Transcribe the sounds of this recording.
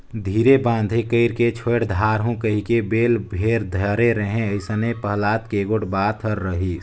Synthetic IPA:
d̪ʱiːɾebãːnd̪ʱẽkəɪɾket͡ʃʰoʈd̪ʱaːɾɦũkəɦikebeːlbʱeːɾd̪ʱəɾeɾəɦẽəɪsənepəɦlaːt̪keɡoʈbaːt̪ʰəɾːəɦi

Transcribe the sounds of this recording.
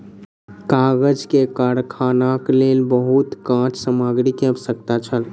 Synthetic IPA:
kaɡəd͡ʒkekaɾkʰanaklelbəɦut̪kãt͡ʃsəmaɡɾikeəbsək̚t̪at͡ʃʰəl

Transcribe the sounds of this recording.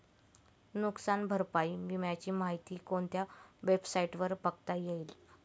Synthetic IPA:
nuksanbʱəɾpaiːʋimjat͡ɕiːmaɦit̪iːkoɳt̪ʰjaʋebsaiʈʋəɾpəkt̪ajeil

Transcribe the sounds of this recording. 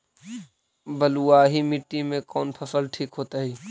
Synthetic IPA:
bəluaːɦimɪʈːimẽkɔːnpʰəsəlʈʰiːkɦoːt̪aːɦiː

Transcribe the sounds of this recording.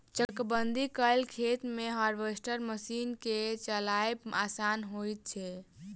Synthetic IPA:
t͡ʃəkbənd̪ʱikəjlkʰet̪meɦəɾbesʈəɾməsinket͡ʃəlaebasanɦojt̪̚t͡ʃʰɛ

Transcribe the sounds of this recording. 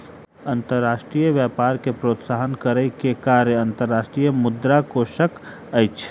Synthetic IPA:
ɐ̃nt̪əɾːaːʃʈɾijəʋjɛːpaːɾkepɾoːt̪saːɦənkəɾəkekaːɾəɐnt̪əɾːaːʃʈɾijəmʊd̪ɾakoʃək | əjt͡ʃʰ

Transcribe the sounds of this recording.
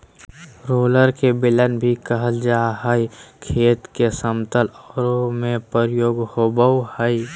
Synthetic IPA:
ɾoːləɾkebɪlənbʱikəɦəld͡ʒaɦəikʰeːt̪kesəmt̪əlɔːɾomẽpəɾjoːɡhobəwhəi

